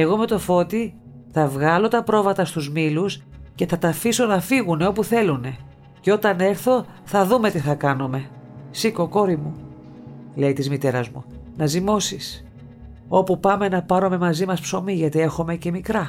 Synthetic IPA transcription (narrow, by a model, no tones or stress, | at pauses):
e̞ɣo̞me̞t̪o̞fo̞t̪i | θɐvɣɐlo̞t̪ɐpɾo̞vɐt̪ɐst̪uzmilusce̞θɐt̪ɐfiso̞nɐfiɣune̞o̞puθe̞lune̞ | ceo̞t̪ɐne̞ɾθo̞ | θɐðume̞t̪iθɐkɐnume̞siko̞ko̞ɾimu | le̞ijt̪izmit̪e̞ɾɐzmṵ | nɐzimo̞sis | o̞pupɐme̞nɐpɐɾome̞mɐzimɐspso̞miʝɐt̪ie̞xo̞me̞ce̞mikɾɐ